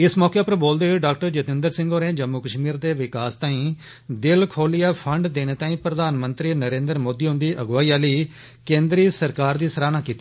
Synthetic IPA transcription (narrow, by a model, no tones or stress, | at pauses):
ɪsmɔːkeːpəɾboːld̪eːɖaːk̚ʈəɾd͡ʒət̪ɪnd̪əɾsɪ̃ŋɡoːɾẽːd͡ʒəmːuːkəʃmiːɾd̪eːʋɪkaːst̪ãːĩː | d̪ɪlkʰoːlijaːpʰəɳɖd̪eːñeːt̪ãːĩːpɾəd̪aːnmə̃nt̪ɾiːnəɾẽːnd̪əɾmoːd̪iːɦʊ̃nd̪iːʔəɡʋaːiːaːliː | kẽːnd̪ɾiːsəɾkaːɾd̪iːsəɾaːnaːkiːt̪ːiː